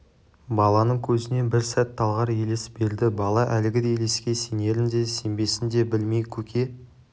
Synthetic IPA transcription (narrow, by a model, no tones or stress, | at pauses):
bɑlˠɑnəɴkʲʰɵzɪne̞bɪɾsæt̪ʰːɑlˠʁɑɾje̞lesbe̞ɾd̪ɪbɑlˠɑʔælɪɡʲɪd̪ejle̞skʲe̞se̞ne̞ɾɪnd̪e̞se̞mbe̞sɪnd̪e̞bɪlme̞jkʲʰɵkʲʰe̞